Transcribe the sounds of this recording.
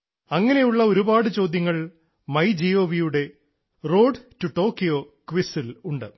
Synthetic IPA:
ɐŋːɐne̞juɭːɐo̞ɾubaːɽɨt͡ɕo̞ːd̪ʱjɐŋːɐɭ | mɐjd͡ʑio̞ːʋijuɽe̞ | ro̞ːɖtuʈːo̞ːkːijo̞ː | kʋisiluɳɖɨ

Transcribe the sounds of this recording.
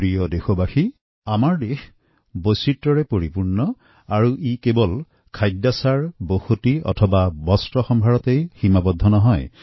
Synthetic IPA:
ɹijɔdexobaxi | amaɹdex | bositːɔɹɛpoɹipuɹnɔ | aɹuʔikebɔl | kʰajdːasaɹboxotiɔ̰tʰɔbabɔstɹɔxɔmbʱaɹɔtejximabɔd̪ʱːɔnɔɦɔj

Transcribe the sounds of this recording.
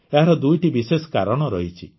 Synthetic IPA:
eɦaɾɔd̪ujʈibisesɔ̥kaɾɔɽ̃ɔɾɔɦit͡ʃʰi

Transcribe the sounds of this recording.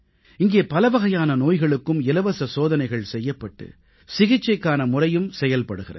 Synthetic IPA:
ɪŋɡeːpɐlɐʋɐɣɐjaːnɐnoːjɣɐɭɯkːɯmɪlɐʋɐsɐsoːðɐnɐɪɣɐɭsɛjːɐpːɐʈːɯ̰ | sɪɣɪt͡ʃːɐɪkːaːnɐmʊrɐjɯmsɛjɐlpɐɽɯɣɪrɐ̰

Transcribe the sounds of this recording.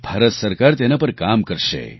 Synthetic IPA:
b̥ʱaɾət̪səɾkaɾt̪enapəɾkamkəɾʃḛ

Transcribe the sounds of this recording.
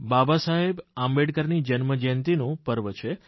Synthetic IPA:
babasaɦebãmbeɽkəɾnid͡ʒənməd͡ʒənt̪inũpəɾʋət͡ʃʰe

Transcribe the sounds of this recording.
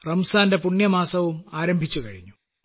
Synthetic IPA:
rɐmsaːnde̞puɳːjɐmaːsɐʋumaːɾɐmbʱit͡ɕːukɐɻiɲːu

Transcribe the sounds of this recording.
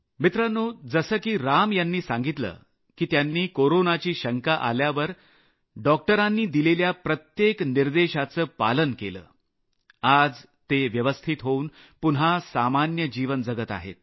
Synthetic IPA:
mit̪ɾanːoːd͡zəsəːkiːɾamjanːiːsaŋɡit̪lə̰ː | kiːt̪janːiːkoɾonat͡ɕiːɕəŋkaʔa̰ljaʋəɾ | ɖɔk̚ʈəɾanːiːd̪ileljapɾət̪jekniɾd̪eɕat͡səːpa̰lənkelə̰ː | ad͡z | t̪eʋjəʋəst̪ʰit̪ɦouːn | punɦasamanjəd͡ʑiʋənd͡zəɡət̪a̰ɦḛt̪̚

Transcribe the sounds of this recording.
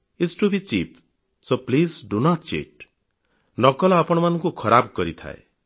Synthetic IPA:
isʈubit͡ʃip | soplisɖunaʈt͡ʃḛʈ̚ | nɔkɔlɔapɔɽ̃ɔmanɔŋkukʰɔɾabkɔɾit̪ʰa̰ḛ

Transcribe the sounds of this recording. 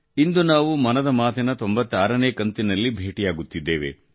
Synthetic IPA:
ind̪unaːʋumɐnɐd̪ɐmaːt̪ʰɐnɐt̪o̞mbɐt̪ːaːɾɐneːkɐnt̪inɐlːibʱeːʈijaːɡut̪ːid̪ːeːʋe̞̰

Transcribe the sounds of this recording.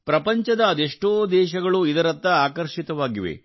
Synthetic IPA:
pɾɐpɐɲt͡ʃɐd̪ɐːd̪eʂʈoːd̪ɛːʃɐɡɐɭuid̪ɐɾɐt̪ːɐaːkɐɾʃit̪ɐʋaːɡiʋḛ

